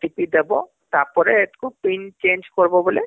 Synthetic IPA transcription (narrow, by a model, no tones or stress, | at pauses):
ʈipid̪ebo | t̪apɔɾet̪kopint͡ʃẽːnd͡ʒkɔɾbobole